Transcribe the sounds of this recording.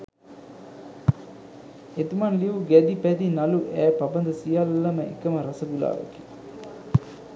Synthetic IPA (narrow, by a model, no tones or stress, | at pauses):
et̪imɐnliʋuɡɛd̪ipæd̪inɐluʔæːpɐbɐnd̪ɐsijɐlːɐməekɐməɾɐsɐɡula̰ːʋḛki̥